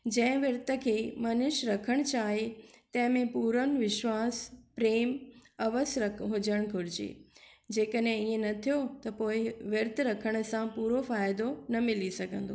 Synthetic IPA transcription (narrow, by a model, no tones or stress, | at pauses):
d͡ʑɐ̃ɦɪ̃ʋɐɾt̪ə̆kʰeːmɐnʊʃɾɐkʰəɽ̃t͡ɕaːɦet̪ɐ̃ɦɪ̃mẽpuːɾənʋɪʃwaːspɾeːmɐʋəsɾɐɦʊd͡ʑəɽ̃ɡʱʊɾɪd͡ʑḛːd͡ʑeːkəɗɦẽiːẽnɐt̪ʰijot̪ɐpoːɪʋɐɾt̪ɾɐkʰəɽ̃̆sãpuːɾofaːɪd̪onɐmɪlisɐɡʱə̃n̆d̪o